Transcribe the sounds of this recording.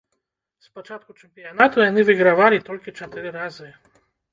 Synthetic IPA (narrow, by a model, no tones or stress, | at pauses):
spɔt͡ʃat̪̚kut͡ʃɛmpʲijanat̪ujanɨvɨɡɾavalʲit̪ɔlʲkʲit͡ʃɛt̪ɨɾɨɾazɨ